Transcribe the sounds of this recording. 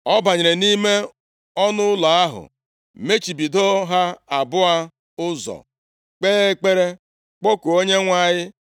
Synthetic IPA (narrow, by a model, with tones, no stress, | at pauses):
ɔ˦ba˨ɲe˨ɾe˨ni˦me˦ | ɔ˦nʊ˦ʊ˦la˨a˦ɦʊ̰˨ | me˦t͡ʃi˨bi˨do˦ɦa˦a˨bʊ˦a˦ | ʊ˦zɔ̰˨ | k͡peː˦e˦k͡pe˦ɾe˦ | k͡po˦ko˨o˦ɲe˦ŋʷa˨ɲɪ˦